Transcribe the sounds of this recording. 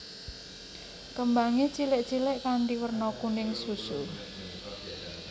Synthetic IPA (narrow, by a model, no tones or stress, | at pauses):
kəmbaŋet͡ʃilɪʔt͡ʃilɪʔkaɳɖiwərnɔkunɪŋsusu